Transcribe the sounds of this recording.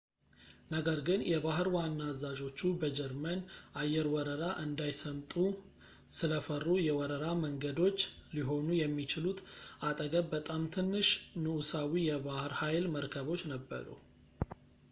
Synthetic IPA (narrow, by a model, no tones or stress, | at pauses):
nəɡəɾɡɨnjʔɛβahɨɾwanːazad͡ʒo̞t͡ʃːubəd͡ʒɛɾmənʔajːɛɾwɔɾəɾaʔɨnd̪ajsəmt̪ʼu | sɨləfərːujɛwɔɾəɾaməŋɡəd̪o̞t͡ʃːliɦo̞nujɛmːit͡ʃɪlut̪ʰat̪ʼəɡəbbət̪ʼamt̪ʰɨnːɨʃnɨʔusawijɛβahɾhajlməɾkʰəβo̞t͡ʃːnəbːə̰ɾṵ